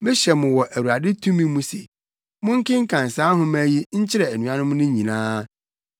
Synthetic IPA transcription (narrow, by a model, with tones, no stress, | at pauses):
mɪ̃˦ɕɛ˨mʊ̃˨wɔ˨ʔæ˨wu˨ɾa˨dɪ˦tʰũ˦mĩ˦mũ˦se˨ | mʊ̃˦ŋ̩˦kɪ̃˦ŋ̩˦kʰã˨n˨saː˦ɦʊ̃˦mæ˦ji˦ɲ̩˦t͡ɕʰɪ˦ɾɛ˨æ˨nũ˨˦ã˦nʊ̃˦mʊ̃˦nʊ̃˦ɲĩ˨nãː˦